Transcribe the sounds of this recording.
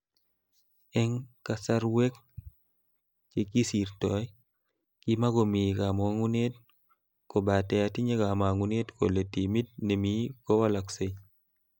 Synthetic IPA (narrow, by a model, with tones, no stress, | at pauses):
ɛ˦ŋka˨sa˦ɾwe˦k̚ | t͡ʃe˦ki˦si˨ɾtɔ˨j | ki˦ma˦ɡo˨mi˨ka˨mɔ˨a˦ŋu˦ne˦t̚ | ko˨ba˨tɛ˨a˨ti˦ɲe˦ɡa˨ma˨ŋu˨ne˦tko̰˨le˨ti˨mi˦t̚ne˨mi˦kɔ˦wa˦la˨kse˦ɲ